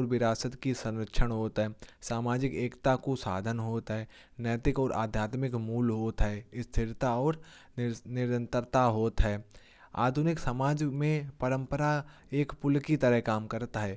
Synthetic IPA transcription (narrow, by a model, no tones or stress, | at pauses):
ɔɾʋɪɾaːsət̪kisə̃nɾəkʃʰənɦoːt̪ɦɛːsaːmaːd͡ʒɪkeːkt̪akosa̰ːd̪ʱənɦoːt̪ɦɛː | nɛːt̪ɪkɔːɾʔa̰ːd̪ʱjaːt̪mɪkmuːlɦoːt̪ɦɛːɪst̪ʰɪɾt̪aɔːɾ | nɪɾə̃nt̪əɾt̪aɦoːt̪ɦɛː | a̰ːd̪ʱʊnɪksəmaːd͡ʒmẽpəɾə̃mpəɾa | eːkpʊlkit̪əɾəɦkaːmkəɾt̪aɦɛː